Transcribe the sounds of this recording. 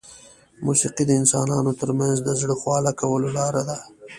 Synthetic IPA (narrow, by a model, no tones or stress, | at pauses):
musiqid̪əɪnsɑnɑnot̪əɾmanzd̪əzɽəxwɑlakawəlolɑɾad̪a